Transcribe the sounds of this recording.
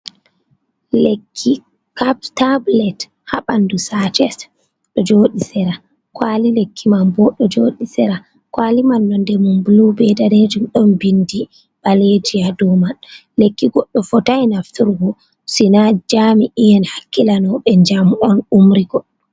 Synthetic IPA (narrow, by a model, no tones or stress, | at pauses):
lekʰːi | kaptablɛt | haɓandusat͡ʃɛs | ɗɔd͡ʒoːɗisɛɾa | kwalilekʰːimambɔɗɔd͡ʒoːɗisɛɾa | kwalimanːɔndɛmunbulubɛdaned͡ʒumɗɔnbindi | ɓ̥aled͡ʒijadɔman | lekːiɡɔɗːɔfɔtajnaftʰuɾɡɔ | sinad͡ʒamiʔijɛnhakːilanɔɓɛɲd͡ʒamɔnumɾiɡɔɗːɔ